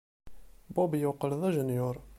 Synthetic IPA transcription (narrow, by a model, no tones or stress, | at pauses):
bobjʊqəlðˤæʒənjʊɾˤ